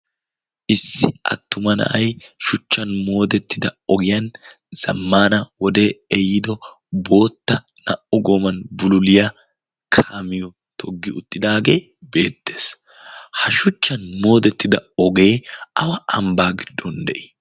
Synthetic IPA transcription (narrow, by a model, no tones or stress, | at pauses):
ʔɪsːɪɐ̰t̪ːʊmɐnɐ̰ʔɐjʃʊt͡ʃːɐnmo̞ːd̪ɛt̪ːɪd̪ɐɔɡɪjɐn | z̥ɐ̰mːaːnɐwɔd̪e̞ːɛjɪd̪ɔ | bo̞ːt̪ːɐnɐʔɔɡoːmɐnbʊlʊlɪjɐ | kʰaːmɪjɔ | t̪ʰɔɡːɪʊt̪ʼːɪd̪aːɡe̞ː | be̞ːt̪ːe̞̥ːs | hɐʃʊt͡ʃːɐnmo̞ːd̪ɛt̪ːɪd̪ɐɔɡe̞ːɐwɐɐmbaːɡɪd̪ːɔnd̪ɛʔi̥